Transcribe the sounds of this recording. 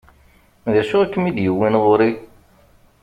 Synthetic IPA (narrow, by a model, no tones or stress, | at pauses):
ðiʁʃuækːəmid̪jəwːinʁoɾi